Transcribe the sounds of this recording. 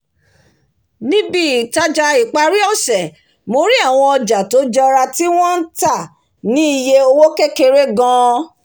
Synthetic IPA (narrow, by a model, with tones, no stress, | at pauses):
nĩ˦bi˦˨ta˧d͡ʒa˧i˨k͡pa˧ɾi˦ɔ˦˨sɛ˨ | mo˧ɾi˦a˦˨w̃ɔ̃˧ɔ˧d͡ʒa˨to˨˦d͡ʒɛ˧ɔ˧ɾa˧ti˦w̃ɔ̃˦n̩˦ta˦˨ | nĩ˦i˦˨je˧o˧wo˦ke˦ke˧ɾe˦ɡã˦˧